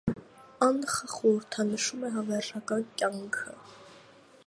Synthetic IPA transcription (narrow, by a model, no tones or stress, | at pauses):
ɑnχəχɔɾəɾt̪ʰɑnəʃumɛɦɑvɛrʒɑkɑnkʲjɑŋkʰə